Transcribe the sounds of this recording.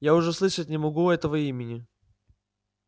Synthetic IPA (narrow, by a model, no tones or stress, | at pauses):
jaʊʐɛslˠɨʂət̚ʲnʲɪmɐɡuɛt̪əvəimʲɪnʲɪ